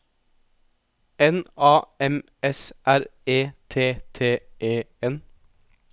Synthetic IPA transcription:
ɛnɑːɛm | ɛsʔæɾeːt̪ʰeːt̪ʰeːʔeːɛn

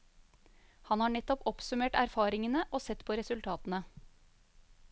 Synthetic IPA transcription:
hɑnhɑːɳɛt̪ːɔpɔpsʉmeːʈæɾfɑːɾɪŋənəʔoːsɛt̪pʰoːɾɛsʉlt̪ʰɑːt̪ən̩ə

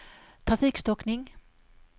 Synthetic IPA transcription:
t̪ʰʁɑfikst̪ɔknɪŋ

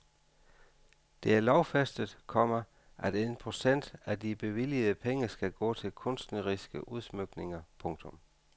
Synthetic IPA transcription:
d̥e̝æɐlɒʊfæsd̥əð̩ˠkʰɒ̽mɐ | ʔæd̥enpʰʁo̝sen̰d̥æd̥ib̥e̝ʋilið̩ˠəpʰeŋəsɡ̥æɡ̥ɔ̰̽ːt͡sʰe̝lkʰɔ̽n̰sd̥nəʁisɡ̥əʔuð̞ˠsmøɡ̥ne̝ŋɐpʰɔ̽ŋt͡sʰɔ̽m

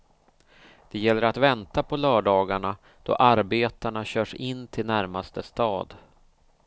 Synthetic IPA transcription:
d̪̥ɛjɛlːəɾat̪vɛnt̪apʰɔlœːɖɑːɡaɳa | d̪̥ɔ̰ʔaɾbeːt̪aɳaɕœːʂɪnːt̪ʰɪlnæɾmast̪əst̪ɑːd̪

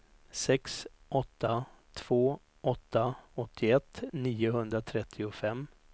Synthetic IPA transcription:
sɛks | ʔɔt̪ːat̪ʰv̥oː | ʔɔt̪ːaɔt̪ʰːɪɛt̪ːniːʊɦɵnd̪ɾat̪ʰɾɛt̪ʰːɪʊfɛmː

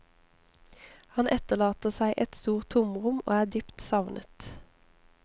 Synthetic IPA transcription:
hɑnʔɛt̪əʁlɑːt̪əsæɪʔɛt̪st̪uːʁt̪ʰʊmʁʊmo̰ːæːd̪yːpt̪sɑʋnʔə̰t̪

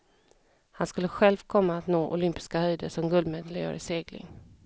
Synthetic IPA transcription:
hanskɵlːəɧɛlvkʰɔmːaːt̪noːʔʊlʏmpɪ̥skahœjd̪əʂɔmɡɵld̪meːd̪lɪœ̰ːɾɪseːɡlɪ̰ŋ

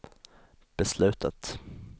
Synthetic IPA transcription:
b̥ɛslʉ̟ːt̪ʰat̪

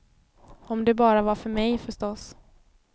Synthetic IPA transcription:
ɔmd̪ɛbɑːɾavaɾfœɾmɛjfœʂʈɔs

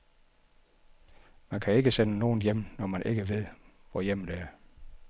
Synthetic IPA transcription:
mænkʰæe̝ɡ̥əsenəno̝ːn̩jem̰nɒmænʔe̝ɡ̥əʋe̝ð̰ˠʋɒjem̰d̥eæɐ

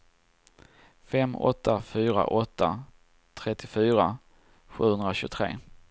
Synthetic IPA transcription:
fɛmːɔ̰t̪ːafyːɾa̰ʔɔt̪ʰːa | t̪ʰɾɛt̪ːɪfyːɾa | ɧʉ̟ːhɵnd̪ɾaɕɵːɡt̪ʰɾḛː

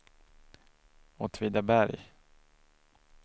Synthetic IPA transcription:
ɔt̪ʰviːd̪abæɾj

